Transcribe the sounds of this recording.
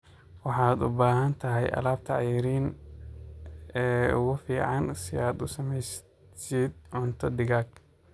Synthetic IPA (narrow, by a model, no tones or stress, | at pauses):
wɑħɑːd̪ʊ̰baːɦɐnt̪ʰɐɦɛjʔɐ̰laːb̚t̪ʰɐʕɑjɪɾiːn | ɛːʊɣʊfiːʕɑnsɪaːd̪ʊsɐmɛjs | sid̪̚ʕʊnt̪ʰɔd̪ɪɣaːɡ